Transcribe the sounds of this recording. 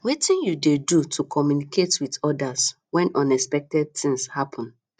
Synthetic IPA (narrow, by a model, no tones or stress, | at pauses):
wetĩnjudedutʰukʰɔmjunikʰetwidɔdas | wɛ̃nɔ̃nɛspɛk̚tɛd̚θĩŋshapʰɔ̃n